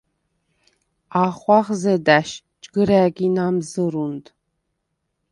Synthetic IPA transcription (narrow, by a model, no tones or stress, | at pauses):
aːχʷɑʁzɐdaʃ | t͡ʃʼɡɨɾæːɡʲinamzɨɾund